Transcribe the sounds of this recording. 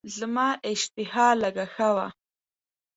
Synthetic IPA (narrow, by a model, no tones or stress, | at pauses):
zəmaːʔɪʃt̪ɪhaːlaɡaxawa̰